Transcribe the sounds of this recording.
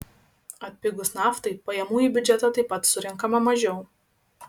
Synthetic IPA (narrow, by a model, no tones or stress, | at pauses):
ɐt̪ʲpʲɪɡʊsnɑːft̪ɐɪpɐjɛmuːjiˑbʲʊd͡ʒʲɛt̪ɐt̪ɐɪpɐt̪sʊɾʲɪŋkɐmɐmɐʒʲɛʊ